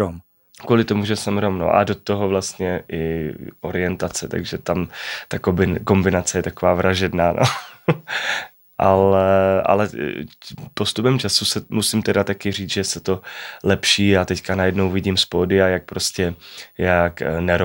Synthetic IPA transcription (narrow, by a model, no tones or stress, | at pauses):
om | kvuːlɪt̪omuʒɛsɛmɾomno̰ʔa̰dot̪oɦovlast̪ɲɛʔɪʔo̞ɾɪɛnt̪at͡sɛt̪a̰ɡʒɛt̪amt̪akbɪko̞mbɪnat͡sɛjɛt̪akovaːvɾʔaʒɛdnaːnʔo̰ | ʔalɛʔa̰lɛ | post̪upɛmt͡ʃasusɛmusɪmt̪ɛdat̪akɪriːd͡zʒɛsɛt̪olɛpʃiːat̪ɛckanajɛdnowvɪɟimspoːdɪajak̚pɾoscɛjaknɛɾo